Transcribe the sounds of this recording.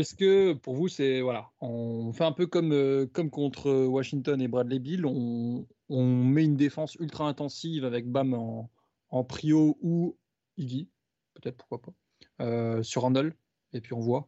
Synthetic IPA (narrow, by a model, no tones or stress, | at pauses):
ɛskəpuʁvusɛvwalaɔ̃ɔ̃fɛɛ̃pøkɔmøkɔmkɔ̃t̪χəwaʃiŋt̪ɔnebʁad̪lebilɔ̃ː | ɔ̃mɛynd̪efɑ̃sylt̪χaɛ̃t̪ɑ̃sivavɛk̚bamɑ̃ː | pχiou | iɡi | pøt̪ɛt̪χpu̥ʁkwapa | øsyʁɑ̃d̪ɔl | epɥiɔ̃vwa